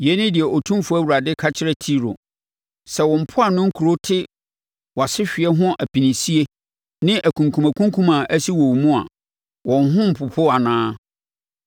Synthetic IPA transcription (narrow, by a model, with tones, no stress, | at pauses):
je˦nɪ̃˦dɪ˨ɛ˨ʔɔ˨tʰũ˦mfʊ˦æ˦wu˨a˨dɪ˦kʰa˦t͡ɕʰɪ˦ɾɛ˦tʰi˦ɾo̰˨ | sɛ˨wɔ̃˨m̩˨pʰʊ˦a˨nʊ̃˦ŋ̩˦kʰu˨ɾo˦tʰɪ˦ | wa˨sɪ˦ɕᶣɪ˨ɛ˦ɦʊ̃˦ʔæ˨pʰĩ˨nĩ˨si˦e˦ | nɪ̃˦ʔæ˨kʰũ˨ŋkʰũ˨mã˨kʰũ˦ŋ˦kʰũ˦mã˨ʔæ˦si˦wɔ˨wmũ˦a̰˨ | wɔ̃˨nɦʊ̃˦m̩˨pʰʊ˨pʰʊ˦a˨nãː˦